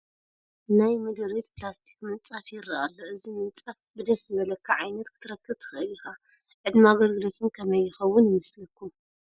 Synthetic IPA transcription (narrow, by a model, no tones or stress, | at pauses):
najmɨd̪ɨɾit̪plast̪ʰi̥kmɨnt͡sʼafjɪrɐʔalːoɨzimɨnt͡sʼafbɨd̪ɐszɨβɐlɐkʰːaʕajnɐt̪kʰɨ̥t̪ʰɨɾɐkːɨbt̪ʰɨ̥xʔɨlixa | ʕɨd̪maaɡɐlɡɨlo̞t̪ʰɨnkʰɐmɐjːɪxɐwːʊnmɨslɨkʰːu